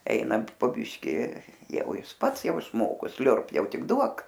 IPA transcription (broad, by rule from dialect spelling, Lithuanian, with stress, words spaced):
ˈɛɪnɐnt poː ˈbʲɪʃʲkʲɪ ˈjɛʊ ˈjɪs ˈpɐts ˈjɛʊ ɪʃˈmoːkoː ˈsʲlʲʊrp ˈjɛʊ ˈtʲɪk ˈduɔk